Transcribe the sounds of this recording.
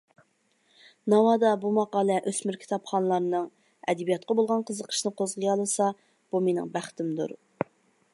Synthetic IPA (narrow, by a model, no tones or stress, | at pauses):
nɑwɑd̪ɑbumɑqɑːlˠɛʔøsmɪɾkʲʰt̪ʰɑpχɑnɨlˠɑɾnɨŋ | ɛ̰d̪ɛbijɑt̪̚qɑbolˠʁɑnqʰəzəqʰə̥ʃnɨqʰozʁəjɑlˠɨsɑ | b̥umenɪ̰ŋbæχt̪ʰɪmd̪ṵɾ